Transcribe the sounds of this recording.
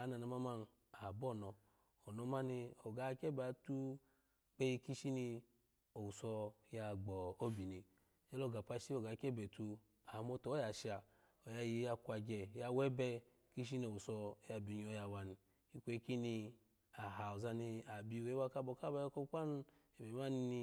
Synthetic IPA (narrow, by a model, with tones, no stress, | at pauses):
a˨na˨na˨ma˦ma˧n˨ | a˨bɔ˦˨nɔ˨ | o˨no˨˦ma˦ni˧o˨ɡa˨˦kɛ˦ba˨tu˦ | ɡ͡be˧˦ji˧ki˦ʃi˦ni˧ | o˨u˨sɔ˧ja˧ɡ͡bɔ˨o˦bi˨ni˨ | jɛ˦lo˦˨ɡa˨pa˧˦ʃi˦o˨ɡa˨˦kɛ˦bɛ˨tu˧ | a˨mo˧tɔ˨˦ja˨ʃa˨ | o˨ja˧ji˧˦ja˧kʷa˧ɡɛ˨ja˧˦wɛ˦bɛ˧ | ki˦ʃ̬i˦n˧˨o˨wu˨sɔ˧˦ja˧˨bi˨ɲ˧o˧˦ja˧wa˧ni˨ | i˧kʷe˧˦ki˦ni˧ | a˨ɦa˨ɔ˨za˧ni˧a˨bi˧˨we˨˦wa˧ka˦bɔ˧ka˦ba˧jɔ˧˦ko˦ka˦n˦ | ɛ˨bɛ˨ma˦ni˧ni˧